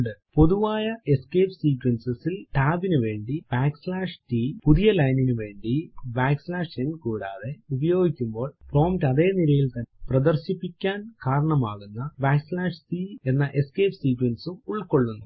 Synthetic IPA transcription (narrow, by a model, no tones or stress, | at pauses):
ɳɖɨpo̞ðuʋaːjɐe̞skeːpsiːkwɐnsɐsilʈaːbinɨʋe̞ːɳɖib̥aːkslaːʂʈiːpuðijɐlɐjninɨʋe̞ːɳɖibaːkslaːʂenːkuːɽa̰ːðe̞ubɐjo̞ːɡikʲːumbo̞ːɭfro̞ːmtɐðe̞ːnilɐjilt̪ɐnprɐd̪ɐrɕipːikʲːaːnkaːɾɐɳɐmaːɣunːɐbaːkslaːʂsie̞nːɐʔe̞skeːpsiːkwɐnsumuɭko̞ɭːunːu